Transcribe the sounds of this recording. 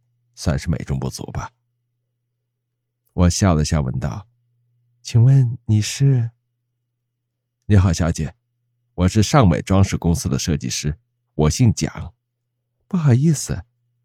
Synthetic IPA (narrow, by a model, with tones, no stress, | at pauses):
swa˥˧nʂɻ̩˥˩mḛ˨˩ɪʈ͡ʂʊ˥ŋpu˥˩t͡sṵ˧˥bɐ˧ | wʔɔ˨˩ɕjɑ˥˩lə˧ɕjɑ˥˩wə̰˧˥nt̪ɑ̰˥˩ʊ | t͡ɕʰi˨˩ŋwə˥˩nni˨˩ʂɻ̩˥˩ | ni˧˥xɑ˨˩ʊɕjɑ˧˥ʊt͡ɕjɛ˧˩˦ | wɔ˨˩ʂɻ̩˥˧ʂɑ˥˩ŋmḛ˨˩ɪʈ͡ʂwɑ˥ŋʂɻ̩˥˩kʊ˥ŋsɹ̩˥d̪ə˨ʂɤ˥˧t͡ɕḭ˥˩ʂɻ̩˥ | wɔ˨˩ɕi˥˩ŋt͡ɕjɑ̰˨˩˦ŋ | pu˥˩xɑ˨˩ʊi˥˩sɹ̩˩